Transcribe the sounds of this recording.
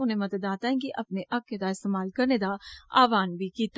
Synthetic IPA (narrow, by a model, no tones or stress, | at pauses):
ʊnẽmɐd̪əd̪aːt̪aːẽɡiʔɐpneʔɐkːed̪aɪst̪eːmaːlkɐɾned̪aa̰ːʋaːnbʱikiːt̪ː